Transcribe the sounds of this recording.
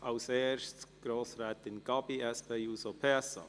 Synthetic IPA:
ʔɑʊseːɾʃtɡ̥ɾoːsɾɛːt̪ɪnɡ̥ɑbiɛspʰeːjuːsopʰeɛsɑ̰

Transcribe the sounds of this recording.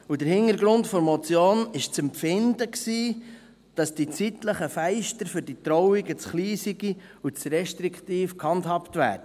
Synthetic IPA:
ud̥əɾhɪnəɾɡɾʊntfɔɾmɔt͡sjoːnɪʃt͡sɛmpfɪndəksiː | d̥ɑsd̥it͡sitləχəfæɪʃtəɾfʏɾditɾɔʊɪɡət͡sχliːsiɡi | ut͡sɾɛʃtɾiktiːfkʰhɑnthɑptvæ̰ːdə

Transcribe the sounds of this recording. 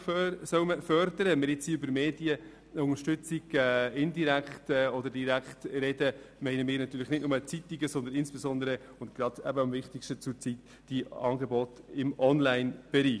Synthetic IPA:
sœwməfœɾdəɾəmɪɾɪt͡siʏbəɾmeːdiə | ʊŋəɾʃtʏt͡siɡ̥ɛɪndiɾækχtɛɔd̪əɾdiɾækχtɾɛdəmɛɪnəmɪːɾnɑt̪ːyːɾləχnɪtnʊmət͡sit̪iɡəsɔnd̪ənɪnsb̥esɔnd̪əɾə | ʊntɡ̥ɾɑd̥æ̰bəɑmvɪχtikʃtət͡sʊɾt͡sit̪ | d̥iɑ̰ːŋɡebɔt̪ɪmʔɔnlæɪnb̥ɛɾiː

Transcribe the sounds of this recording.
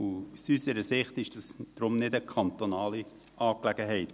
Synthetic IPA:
usysəɾəsɪχtɪʃd̥ɑsd̥ɾʊmnɪdəkʰɑnt̪onɑːli | ɑːklɛɡ̥əɦɛɪt

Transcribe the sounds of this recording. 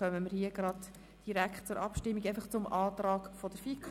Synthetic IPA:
œməməɾhiəɡɾɑd | d̥iɾækχtt͡sʊɾʔɑ̰pʃtɪmːiɡɛɪfɑχt͡sʊmʔɑːt̪ɾɑːkfɔd̥əɾfikʰ

